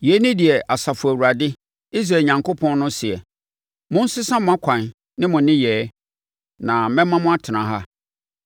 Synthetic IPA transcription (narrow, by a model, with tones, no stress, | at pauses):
jɛ˨˦nɪ̃˦di˨ɛ˨ʔa˨sa˨fʊ˨æ˨wu˨ɾa˨dɪ˦ | i˦s̬ɾa˨ɲã˨ŋko˦pʰɔ̃˦n˦nʊ̃˦sɪ˨ɛ˨ | mʊ̃˦n̩˦sɪ˦sã˦mʊ̃˦a˦kʷʰã˨n | nɪ̃˦mʊ̃˨nɪ̃˦jɛː˨˦ | nã˨mɛ̃˦mːã˦mʊ̃˦a˦tʰɪ˨nã˨ɦa˦